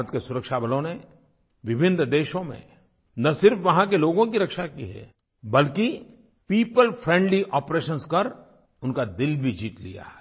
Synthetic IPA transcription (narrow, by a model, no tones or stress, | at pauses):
ɾət̪̚kesʊɾəkʃabɐlõne | ʋɪbʱɪnd̪eːʃõmḛ̃ | nɐsɪɾfʋɐɦãkeloːɡõkiɾɐkʃakiɦɛ̰ː | bɐlki | piːpəlpʰɾɛ̃ːɳɖliʔɔːpɾeːʃənskɐɾ | ʊnkad̪ɪlbʱid͡ʒiːt̪lḭja̰ɛ